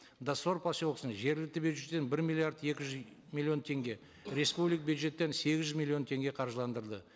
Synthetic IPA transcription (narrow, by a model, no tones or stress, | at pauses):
d̪aso̞ɾpʰasolqəsəɴʒe̞ɾɡʲɪlɪk̚t̪ɪbʲjud̪ʒe̞t̪ːenbɪɾmʲilʲˠiaɾd̪e̞kʲɪʒʏz | mʲilʲːjio̞nt̪ʰe̞ŋɡʲe̞ | ɾe̞spublijk̚bʲjud̪ʒe̞t̪ːe̞nse̞ɡʲɪzʒʏzmʲilʲːijo̞nt̪ʰe̞ŋɡʲe̞qʰɑɾʒəlˠɑnd̪əɾd̪ə